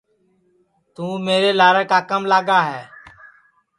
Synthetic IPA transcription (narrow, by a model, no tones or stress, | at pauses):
t̪ũːmeːɾeːlaːɾəːkaːkəmlaːɡaːɦɛː